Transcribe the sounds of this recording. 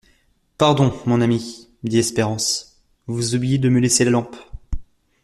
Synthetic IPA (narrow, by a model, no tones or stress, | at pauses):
paʁd̪ɔ̃mɔ̃nami | d̪iɛspeʁɑ̃s | vuzublijed̪əməleselalɑ̃p